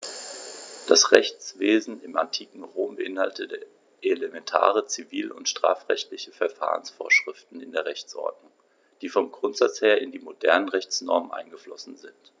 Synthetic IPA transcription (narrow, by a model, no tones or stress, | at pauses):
d̥asʁɛçt͡sv̥eːzn̩ɪmʔantʰiːkŋ̩ʁoːmbəʔɪnhaltə | ʔelemɛntʰa̰ːʁ̞ət͡siviːlʔʊ̰ntʃtʁ̥a̰ːfʁ̥ɛ̰çtlɪçəfɛɐfa̰ːʁənsfoːɐʃʁ̥ɪftn̩ɪndeːɐʁɛçt͡sʔɔ̰ɐdnʊŋ | d̥iːfɔmɡʁʊntz̥at͡sheːɐɪndiːmodɛɐnənʁɛçt͡snɔ̰ɐmənʔa̰ɪnɡəflɔsn̩zɪnt